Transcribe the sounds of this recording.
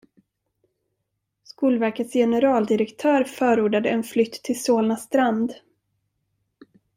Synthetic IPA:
skuːlvæɾkət̪sjɛnəɾɑːld̪ɪɾɛkt̪ʰœːɾfœːɾuːɖad̪əɛnflʏt̪ʰːɪlsoːlnast̪ɾand̪

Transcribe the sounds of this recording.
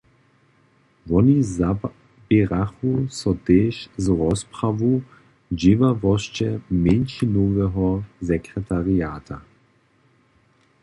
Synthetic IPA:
vɔniza | b̥eʁaxusɔtɛːʃzʁɔspʁavu | d͡ʒivavɔʃt͡ʃɛmɛnʃinoːvɛɦɔzɛkʁɛt̪ʰaʁiaːta

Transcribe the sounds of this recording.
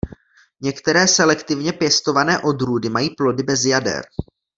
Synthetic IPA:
ɲɛkt̪ɛɾɛːsɛlɛkt̪ɪvɲɛpjɛst̪o̞vanɛːʔo̞d̪ɾuːdɪmajiːplo̞dɪbɛzjadɛ̰ɾ

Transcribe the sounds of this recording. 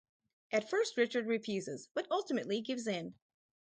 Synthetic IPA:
ʔɨtfɜ˞st̚ɹɪt͡ʃə˞d̚ɹifjʉzɪzb̥ʌɾʌlˠtɨmɨtˡliɡɪvzɪ̃n

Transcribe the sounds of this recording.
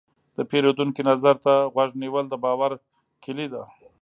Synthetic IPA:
d̪̥əpeɾod̪uŋkinazaɾt̪aɣwaʐniwəld̪əbɑwaɾ | kɪlid̪a

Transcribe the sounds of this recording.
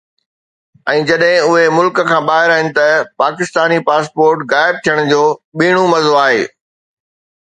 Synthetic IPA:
ɛ̃ːd͡ʑɐɗɦɪ̃ʊɦemʊlkə̆kʰãːɓaːɦɪɾaːɦɪnɪ̆t̪ɐpaːkɪst̪aːnipaːspoːɾʈɣaːɪb̚t̪ʰijəɽ̃d͡ʑoːɓiːɽ̃ũmɐzoaːɦḛː

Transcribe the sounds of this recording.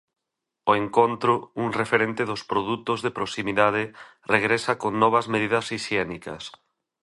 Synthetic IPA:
oeŋkont̪ɾʊuŋrefeɾẽnt̪ɪðospɾoðut̪ʊzðepɾosimiðað̞ɪ | reɣɾesɐkoŋnɔβ̞ɐzmeð̞iðɐsiʃjɛnikɐ̰s

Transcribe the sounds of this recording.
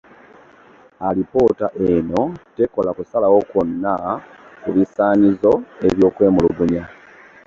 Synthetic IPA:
alipo̞ːtaʔeno̞teko̞lakusalawo̞konːa | kuβisaːɲizo̞e̞βjo̞ːkwe̞ːmuluɡuɲa

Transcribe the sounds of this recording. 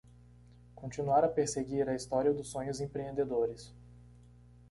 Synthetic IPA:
kõt͡ʃinuaɾɐpeɾseɡiɾɐist̪ɔɾiɐd̪ʊsːõɲʊzẽpɾeẽnd̪ed̪oɾɪs

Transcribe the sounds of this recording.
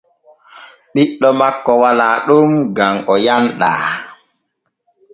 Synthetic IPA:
ɗiɗːɔmakːɔwalaːɗumɡamʔɔjanɗa̰ː

